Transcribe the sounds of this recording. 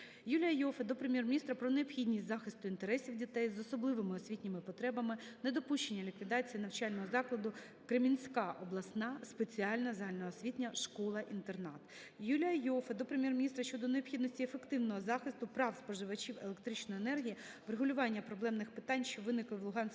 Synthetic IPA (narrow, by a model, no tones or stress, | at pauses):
julʲijɐjɔfɐd̪ɔpɾemʲjɛrmʲnʲist̪ɾɐpɾɔneɔpxʲidʲnʲisʲtʲzɑxɪst̪ʊint̪eɾɛsʲiwdʲit̪ɛjzɔsɔblˠɪʋemɪɔsʲʋʲitʲnʲɪmɪpɔt̪ɾɛbɐmɪned̪ɔpuʃt͡ʃenʲːɐlʲikʋʲid̪ɑt͡sʲijinɐwt͡ʃɑlʲnɔɦɔzɑklˠɐd̪ʊ | kɾemʲinʲsʲkɑʔɔblˠɐsnɑspet͡sʲiɑlʲnɐzɐɦɑlʲnɐɦɔsʲʋʲitʲnʲɐʃkɔlˠɐʔint̪ernɑt̪ | julʲɐjɔfɐd̪ɔpɾemʲjɛrmʲɪnʲist̪ɾɐʃt͡ʃːɔd̪ɔneɔpxʲid̪nɔsʲtʲiefe̞kt̪ɪwnɔɦɔzɑxɪst̪ʊpɾɑwspɔʒɪʋɐt͡ʃʲiwḛlˠekt̪ɾɪt͡ʃnɔjenɛrɦʲijɐ | ʋɾeɦʊlʲʊʋɑnʲːɐpɾɔblˠɛmnɪxpɪ̥t̪ɑnʲʃt͡ʃɔʋɪnɪklˠɪʋlˠʊɦɑnʲsʲ